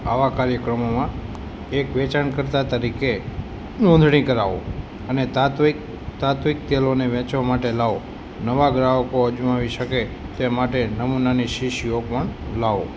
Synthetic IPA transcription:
a̰ʋakaɾjəkɾəmomã | ekʋet͡ʃaɳkəɾt̪at̪əɾike | nõnd̪ʱɽ̃ikəɾaʋo̰ | ənet̪ | t̪at̪ʋik̚t̪ɛloneʋɛ̃t͡ʃʋamaʈelaʋo | nəʋaɡɾaʋkoəd͡ʒumaʋiʃəke | t̪emaʈenəmunaniʃiʃiopəɳlaʋo̰

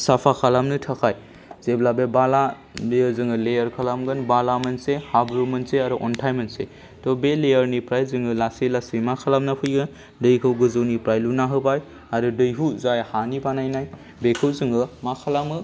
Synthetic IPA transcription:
sapʰakʰalamnɯtʰakʰaj | zeblabebala | lejzɯŋɯlejəɾkʰalamɡɯnbalamɯnsehabɾumɯnseaɾuʔɔntʰajmɯnsḛ | tɔbelejəɾnipɾajzɯŋɯlasijlasɯjmakʰalamnapʰɯjɡɯn | dɯjkʰɯwɡɯzɯwnipɾajlunaɦɯbaj | aɾudɯjɦuzajhanibanajnaj | bekʰɯwzɯŋɯmakʰalamɯ

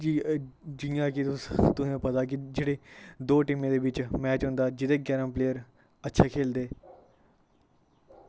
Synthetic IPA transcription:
d͡ʒiːd͡ʒɪjãːkit̪ʊt̪ʊsẽːpət̪aːk̬ɪd͡ʒeːɽeːd̪oːʈɪmẽːd̪eːbɪt͡ʃmɛːt͡ʃɦʊ̃ːnd̪aːd͡ʒɪd̪eːɡɛːɾəmpleːəɾ | ətːʃʰaːkʰeːld̪eː

